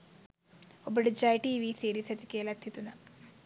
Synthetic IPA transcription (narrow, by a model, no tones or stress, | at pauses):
obɐɽid͡ʒaːjʈiːʋiːsiːɾiːsɐt̪ikeːlɐt̪ʰːit̪unɐ